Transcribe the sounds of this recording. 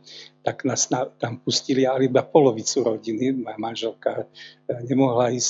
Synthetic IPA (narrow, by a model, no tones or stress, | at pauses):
t̪aɡnasnat̪ampuscilialid̪apɔlɔʋit͡suɾɔɟinimamanʒɛlka | ɲɛmɔɦlaiːs